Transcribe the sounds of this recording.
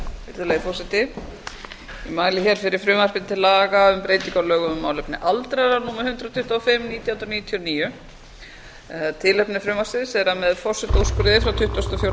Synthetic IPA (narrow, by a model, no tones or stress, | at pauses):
ɪɾðʏlɛɣfɔrsɪt̪ɪ | imaːjlɪçɛɾ̥fɪɾɪɾ̥fɾʏːmar̥pɪnt̪ʰɪlaːɣaʏmpɾejt̪iŋkalœːɣʏmʏmːaːwlɛpnɪ̰ʔalt̪ɾaɾaɾnuːmahʏnt̪ɾat̪ʰʏht̪aɔfɪmniːt̪jahnɾaniːt̪ʰjɔniːjʏ | t̪ʰɪlɛpnɪfɾʏːmasɪðsɛɾamɛðfɔrsɪt̪owskʏɾɪðɪfɾawt̪ʰʏht̪ast̪ɔfjowɾ